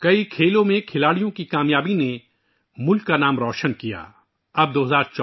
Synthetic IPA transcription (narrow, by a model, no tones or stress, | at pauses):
kɐikʰeːlõmẽkʰɪlaːɽijõkikaːmjaːbine | mʊlkːanaːmɾɔːʃənkija̰ː | ɐb̚d̪oːɦɐzaːɾt͡ʃː